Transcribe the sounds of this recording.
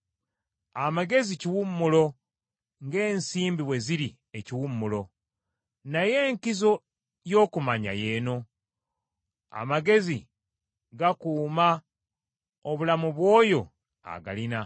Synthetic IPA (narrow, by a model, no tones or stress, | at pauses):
amaɡe̞ziciwumːulo̞ | ŋɡe̞ːnsiːmbiβwe̞ziɾi | eciwumːulo̞ | naje̞ːŋkizo̞ | jo̞ːkumaɲa̰je̞ːno̞ | a̰maɡe̞zi | ɡakuːma | oβulamuβwo̞ːjo̞ | a̰ɡa̰lina